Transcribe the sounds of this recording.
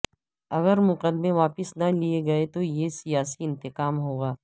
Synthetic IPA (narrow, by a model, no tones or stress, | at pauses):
ɐɣəɾmʊqəd̪mẽʋaːpɪsnɐlieɡɐet̪ojesijaːsiɪ̃nt̪ɪqaːmɦoːɡaː